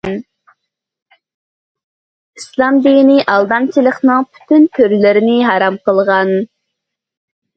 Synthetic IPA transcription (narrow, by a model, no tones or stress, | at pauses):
islˠɑmd̪ijnɪʔɑlˠd̪ɑmt͡ʃʰilˠəχnɨŋpʰy̥t̪ʰynt̪ʰøɾlɪɾɪnɪɦɑɾɑmqəlˠʁɑn